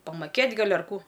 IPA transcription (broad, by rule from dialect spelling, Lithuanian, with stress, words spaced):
pɐmɐˈkʲeːtʲ ˈɡɐlʲ ɐr ˈkuː